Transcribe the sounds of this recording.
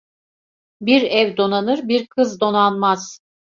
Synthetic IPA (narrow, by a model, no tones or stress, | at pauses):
biɾɛvd̪o̞nanɯɾbiɾkʰɯzd̪o̞nanmaz̥